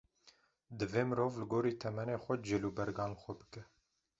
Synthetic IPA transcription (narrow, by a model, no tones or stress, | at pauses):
d̪ɨveːmɨɾoːvlɨɡoːɾiːt̪ʰɛmɛneːxʷɛd͡ʒɪlubɛɾɡɑːnlxʷɛbɨkɛ